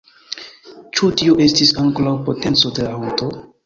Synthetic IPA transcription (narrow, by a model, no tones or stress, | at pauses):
t͡ʃutioʔe̞stisaŋkolawpo̞te̞nt͡so̞de̞laonto̞